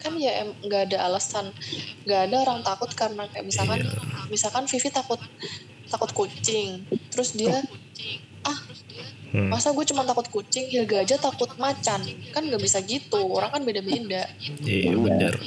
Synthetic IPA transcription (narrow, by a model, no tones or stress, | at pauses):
kanjaɛmŋɡaːdaʔːlasanŋɡaːdaoɾaŋt̪akʊt̪̚karnakaja̰ʔmisalkanmisalkanfifit̪akʊt̪̚ː | akʊt̪̚kut͡ʃɪŋt̪əɾʊsdia | ʔah | masaɡuat͡ʃumant̪akʊt̪̚kut͡ʃɪŋhilɡad͡ʒat̪akʊt̪̚mat͡ʃankanŋɡaʔbisaɡit̪uoɾaŋkanbedabendaʔ | ənə̰r